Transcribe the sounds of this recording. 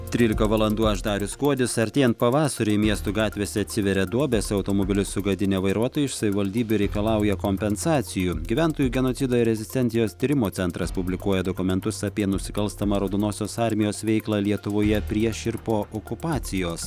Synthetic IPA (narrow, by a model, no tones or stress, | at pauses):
t̪ʲɾʲiːlʲɪkɐʋɐlˠɐnd̪uːɐʒd̪ɑːɾʲʊskuɔd̪ʲɪsɐɾʲt̪ʲeːɛnt̪̚pɐʋɑːsɐɾʲʊɪmʲiɛst̪uɡɑːt̪ʲʋʲeːsʲɛɐt̪ʲsʲɪʋʲɛɾʲɛd̪uɔbʲeːsɐʊt̪oːmobʲɪlʲɪsʊɡɐd̪ʲɪnʲeːʋɐɪɾuɔt̪oːjʊɪʃsɐʋʲɪʋɐlʲd̪ʲiːbʲʊɾʲɛɪkɐlˠɑˑʊjɛkoːmʲpʲɛnsɑːt̪sʲɪjuːɡʲiʋʲæˑnt̪oːjuːɡʲɛnoːt̪sʲɪd̪oːɾʲɛzʲɪsʲt̪ʲɛnʲsʲɪjoːst̪ʲiɾʲɪmoːt̪ʲɛnt̪ɾɐspʊbʲlʲɪkuɔjɛd̪oːkʊmʲɛnt̪ʊsɑpʲiɛnʊsʲɪkɐlˠst̪ɐmɐɾɐʊd̪onoːsʲoːsɑɾʲmʲɪjoːsʋʲɛɪklˠɑːlʲiɛt̪ʊʋoːjɛpʲɾʲiɛʃʲɪɾpoːʔokʊpɑːt̪sʲɪjoːs